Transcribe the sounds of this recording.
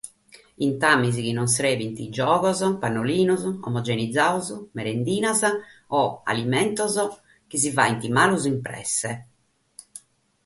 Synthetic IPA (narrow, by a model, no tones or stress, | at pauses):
int̪amːizikinːɔnsɾeːvint̪id͡ʒɔːɣɔzɔpanːoliːnuzɔ̰mɔd͡ʒɛnid̪zːaːuzumɛɾend̪iːnazaɔa̰limɛnt̪ɔzɔ | k̟is̬ivaːint̪imaːluzimpɾɛ̰sːɛ